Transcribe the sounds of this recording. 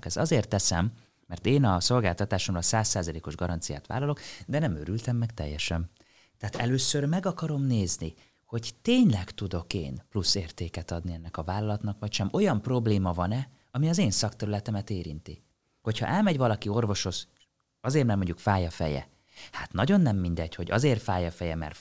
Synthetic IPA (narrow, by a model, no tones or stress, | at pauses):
kɛz̥ɒzeːrt̪ːɛsɛmː | ɛrt̪eːnɒso̞lɡaːlt̪ɒt̪aːʃomlɒlsaːsːaːzɒleːko̞ʒɡɒɾʔɒnt̪sija̰ːt̪ʋa̰ːlːɒlo̞kd̪ɛnɛmøɾylt̪ɛmːɛkt̪ɛ̰jːɛʃɛm | t̪ɛaːt̪ɛløːsørmɛɡɒkɒɾo̞mneːzni | ho̞ɟt̪eːɲlɛkt̪ud̪o̞kḛːnplusːeːrt̪eːkɛt̪ɒd̪niɛnːɛkɒvaːlːɒlɒt̪nɒkʋɒcʃɛmo̞jɒmpro̞bleːmɒvɒnɛ | ɒmiɒzeːnsɒkt̪ɛɾylɛt̪ɛmɛt̪eːɾḭnt̪ḭ | ho̞cʰhɒ̰ʔɛlmɛɟvɒlɒkio̞rvo̞ʃo̞ʃ | ɒzeːrmɛrmoɲɟukfaːjɒfɛ̰jɛ̰ | haːt̪nɒɟo̞nːɛmːind̪ɛɟho̞ɟɒ̰zeːrfaːjɒfɛjɛmɛ̰r